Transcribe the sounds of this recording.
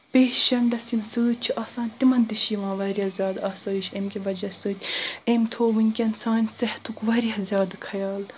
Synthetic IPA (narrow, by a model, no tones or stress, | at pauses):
peːʃɐɳɖɐsimsəːt̪̚t͡ʃʰiʔaːsãːnt̪imɐnd̪iʃiːʋãːʋɐɾijɐzʲjaːd̪aːsɐːʃemkʲiʋɐd͡ʒɐsəːt̪ʲemt̪ʰoːʋɨnʲkʲɐnsaːnʲsɐht̪ʰukʋɐɾijɐhzʲjaːd̪ɨkʰɐjaːl